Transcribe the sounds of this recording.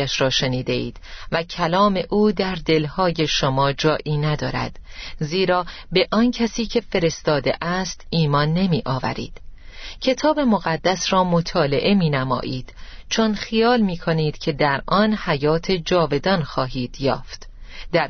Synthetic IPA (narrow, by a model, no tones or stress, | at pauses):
æʃɾɒːʃe̞niːd̪e̞ḭːd̪̥væcʰælɒːme̞ʔuːd̪æɾd̪e̞lhɒːje̞ʃomɒːd͡ʒɒːʔiːnæd̪ɒːɾæ̰d̪̥ziːɾɒːbe̞ʔɒncʰæsiːcʰe̞fe̞ɾe̞st̪ɒːd̪eʔæst̪iːmɒːnːe̞miːʔɒːvæ̰ɾḭːd̪̥cʰe̞t̪ʰɒːbe̞mo̞ɣæd̪ːæsɾɒːmo̞t̪ʰɒːle̞̰ʔe̞miːnæmɒ̰ːʔiːd̪̥t͡ʃʰonxijɒːlmiːkʰo̞niːd̪̥cʰe̞d̪æɾʔɒnhæjɒːt̪ʰe̞d͡ʒɒːve̞d̪ɒnxɒːɦiːd̪̥jɒːft̪d̪æɾ